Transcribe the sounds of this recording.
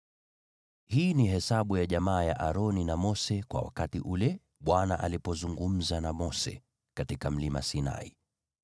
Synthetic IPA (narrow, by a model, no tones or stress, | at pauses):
hiːniɦɛsaɓujaʄamaːjaʔaɾɔninamɔsɛkwa̰wa̰katiʔulɛ | ɓwanaʔalipɔzuŋɡum̩zanamɔsɛ̰ | katikam̩limasina̰i